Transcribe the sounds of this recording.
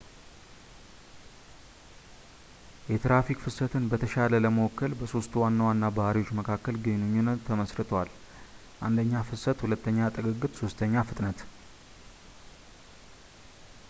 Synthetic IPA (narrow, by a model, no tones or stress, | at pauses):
jɛt̪ɾafikfɨsət̪ʰɨnbət̪ʰəʃalələməwɔkːəlbəso̞st̪wanːəwanːabahaɾiwo̞t͡ʃːməkʰakːəlɡɨnɨɲːunːət̪ʰːəməsɾɨt̪ʰwal | ʔand̪əɲːafɨsət̪hulət̪ʰːəɲːat̪ʼɨɡɨɡːɨt̪so̞st̪ʰəɲːafɨt̪ʼnət̪